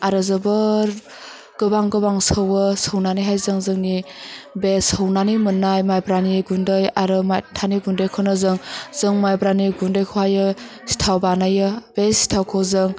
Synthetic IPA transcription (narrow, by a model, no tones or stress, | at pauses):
aɾɯzɯbɯɾ | ɡ̥ɯbaŋɡɯbaŋsəwɯsəwnanijɦajzɯŋzɯŋnibesəwnanimɯnːajmajbɾaniɡundɯjaɾɯmajtʰaniɡundɯjkʰɯnɯzɯŋzɯŋmajbɾaniɡundɯjkʰuwajɯ | si̥tʰawbanajɯbesi̥tʰawkʰawzɯŋ